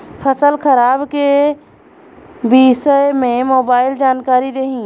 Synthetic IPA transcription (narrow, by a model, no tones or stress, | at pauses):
pʰəsəlkʰəɾaːbke | bisəemẽmoːbaːɪld͡ʒaːnkaːɾid̪eɦĩ